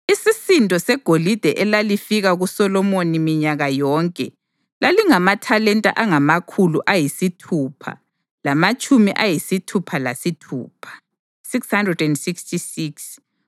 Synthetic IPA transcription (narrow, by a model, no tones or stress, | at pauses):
isisintʼɔsɛɡ̥ʱolid̥ʱɛʔɛlalifiɣaɣusɔlɔmonimiɲaɣajɔːŋkʼɛ | laliŋamatʰalɛntʼa̰ʔaŋamakʰuluʔajisitʰupʰa̰ | lamat͡ʃʼumiʔajisitʰupʰalasitʰṵːpʰḁ | sikshandrɛdɛndsikstʰisiks